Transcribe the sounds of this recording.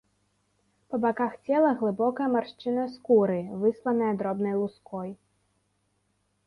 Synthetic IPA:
pɐbakaxt͡sʲɛlˠɐɣlˠɨbɔkɐjɐmarʂt͡ʂɨnɐskuɾɨvɨslˠɐnɐjɐd̪ɾɔbnɐjlˠuskɔj

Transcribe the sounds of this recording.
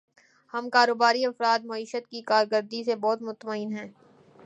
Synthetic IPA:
hɐmkaːɾoːbaːɾiɐfɾaːd̪mɐiːʃət̪̚kikaːɾɡəɾd̪isebɔːt̪mʊt̪maɪːnɦɛ̃ː

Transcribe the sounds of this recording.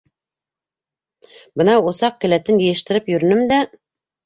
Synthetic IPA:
bɤnɑŏsɑq̚kɘ̆læt̪ɘnjɘ̆jɘ̆ʃt̪ɘ̆ɾɘpjɵ̆ɾɘ̆nɘmd̪æ

